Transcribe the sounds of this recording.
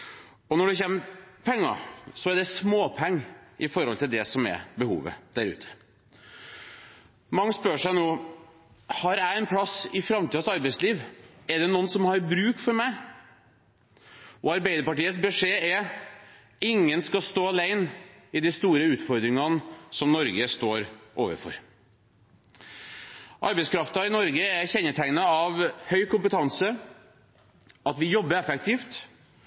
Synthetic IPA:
ɔnɔɖɛçɛnəpʰɛŋːɑ̰sɔɛɖ̪ɛsmoːpʰɛŋːʔɪfɔɾhɔlt̪ɪld̪ɛsɔmɛ̰ɾbəhṵːʋə̰d̪̥æɾʉ̰ːt̪ʰə̥ | mɑŋːəspœʂæɪnoː | hɑɾæɪɛnpʰlɑsɪfɾɑmt̪ʰiːɑsɑɾbæɪsliːʋɛɖ̪ɛnuːnsɔmhɑɾbɾʉːkfɔɾmæɪ | ɔɑɾbæɪd̪əɾpɑʈiːət̪sbɛʂeːɛɾ | ɪŋːənskɑst̪oːɑlæɪnɪd̪ɛst̪uːɾəʉːt̪fɔɾd̪ɾɪŋɑnsɔmnɔɾɡəst̪oːɾʔoːʋə̰ɾfɔ̰ɾ | ʔɑ̰ɾbɛɪskʰɾɑft̪ɑɪnɔɾɡəæɾçɛnːəʈʰæɪnəɑʋhœʏkʰʊmpət̪ʰɑnsə | ɑt̪ʋɪjɔbːəɾɛfɛk̚t̪iːft̪

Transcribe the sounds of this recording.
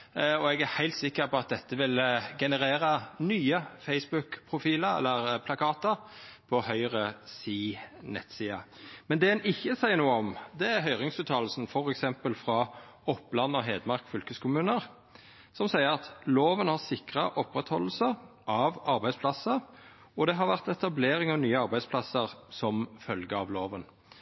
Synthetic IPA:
ɔɛɡæhæɪlt̪sɪkːəɾpɔɑt̪̚d̪ɛt̪ːəʋɪlɡɛnəɾeːɾənyːəfæɪsbʉkpʰʁʊfiːləɾɛ̰lːəʁpʰlɑkʰɑːt̪əɾpʰɔhœʏʁəsiːnɛ̰t̪ːsiːɑ̰ | mɛnd̪ɛɛnɪçːəsæɪəɾnuːəɔmd̪ɛæɾɦœʏʁɪŋsʉːt̪ʰɑːll̩sn̩fɔɾɛksɛmpəlfɾɑ | ɔpːlɑnːɔɦeːd̪mɑʁkfʏlkəskʰʊmʉːnəɾ | sɔmsæɪəɾɑt̪loːʋənhɑʁsɪkʁəʔɔpːɾɛt̪hɔlːəsə | ʔɑʋɑɾbæɪspʰlɑsəɾ | ɔd̪ɛɦɑɾʋæʁt̪ɛt̪ɑbleːʁɪŋɑʋnyːəɑɾʁbæɪspʰlɑsəʁsɔmfœlɡəɑʋloːʋən

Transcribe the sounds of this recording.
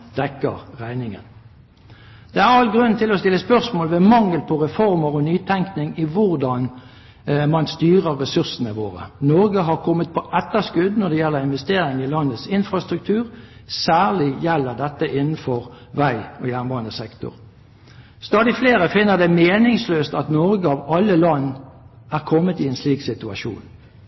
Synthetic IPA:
d̪̥ɛkːə̰ʁʁæɪnɪŋə̰n | d̪̥ɛæʁɑlɡʁʉnt̪ʰɪlɔst̪ɪlːəspœʁsmoːlʋɛmɑŋːəlpʰɔʁɛfɔʁməʁɔnyːt̪ʰɛŋknɪŋɪʋʊʁd̪ɑn | mɑnst̪yːʁəʁːɛsʉʁsənəʋo̰ːʁə̰nɔːɡəɦɑʁkʰɔmːət̪̚pʰɔʔɛt̪ːəskʉd̪nɔd̪ɛjɛlːəɾɪnʋɛst̪eːɾɪŋɪlɑnːət̪sɪnfɾɑst̪ɾʉk̚t̪ʰʉːʁsæːʁlɪjɛlːəʁd̪ɛt̪ːəʔɪnːn̩fɔʁ | ʋæɪɔjæːʁnʋɑːənd̪əsɛkt̪ʊ̰ʁ | st̪ɑːd̪ɪfleːɾəfɪnːəʁd̪ɛmeːnɪŋsløːst̪ɑt̪nɔɾɡəɑʋɑlːəlɑnː | æʁkʰɔmːət̪ɪɛnsliːksɪt̪ʉɑʃṵːn

